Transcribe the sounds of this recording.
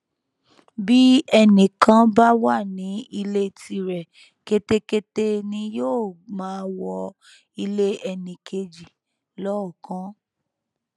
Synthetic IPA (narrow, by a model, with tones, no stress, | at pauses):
bi˦ɛ˧nĩ˨kã˧˦ba˦wa˦˨nĩ˨˦i˧le˦˨ti˧ɾɛ˨ | ke˧te˦ke˦te˦nĩ˧joː˦˨mãː˨˦wɔ˧ | i˧le˦ɛ˧nĩ˨kʰe˧d͡ʒi˨ | lɔ˦ɔ˦˨kã˦